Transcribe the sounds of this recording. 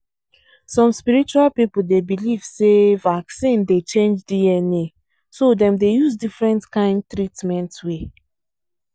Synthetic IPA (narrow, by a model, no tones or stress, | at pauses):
sɔ̃mspiɹit͡ʃualpipul̩debiliv̥sevaksĩndet͡ʃẽnd͡ʒdiɛne | sodɛ̃mdejuzdifɹɛ̃ntkãɪ̃nd̚tɹitmɛ̃ntwe